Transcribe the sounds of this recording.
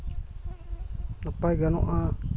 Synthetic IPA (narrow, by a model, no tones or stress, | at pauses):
napajɡano̰ʔa